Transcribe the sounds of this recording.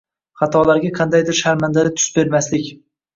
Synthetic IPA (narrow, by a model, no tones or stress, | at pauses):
χɑt̪ʰɒlaɾɡʲaqʰɑnd̪ajd̪ɪɾʃaɾmand̪alɪt̪ʰʊ̥sbe̞ɾmaslɪkʲ